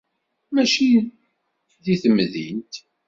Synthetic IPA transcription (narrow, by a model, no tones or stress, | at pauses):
mæʃi | ðiθəmːðḭnt̪